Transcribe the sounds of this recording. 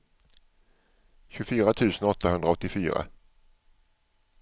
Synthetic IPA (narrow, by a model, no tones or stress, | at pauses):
ɕɵfyːɾat̪ʰʉ̟ːsənɔt̪ʰːahɵnd̪ɾaɔt̪ːɪfyːɾa̰